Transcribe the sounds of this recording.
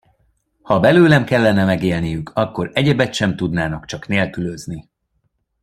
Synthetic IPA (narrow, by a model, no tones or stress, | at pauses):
hɒbɛløːlɛmkɛlːɛnɛmɛɡeːlnijykʰɒkːo̞ɾɛɟɛbɛt̪ʃɛmt̪ud̪naːnɒkt͡ʃɒkneːlkyløzni